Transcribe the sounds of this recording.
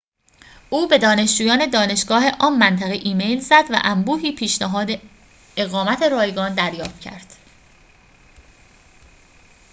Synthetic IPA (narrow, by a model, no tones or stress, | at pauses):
ʔuːbe̞d̪ɒːne̞ʃd͡ʒuːjɒːned̪ɒːne̞ʃɡɒːɦe̞ʔɒːmːænt̪ʰæɣeʔiːme̞jlzæd̪væ̰ʔæmbuːɦiːpʰiːʃnæɦɒːd̪e | eɣɒːmæt̪ʰe̞ɾɒːjɡɒːnd̪æɾjɒːft̪̚cʰæ̰ɾd̪̥